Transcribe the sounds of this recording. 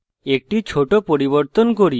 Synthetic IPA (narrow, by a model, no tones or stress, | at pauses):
ek̚ʈit͡ɕʰoʈopoɾiboɾt̪onkoɾi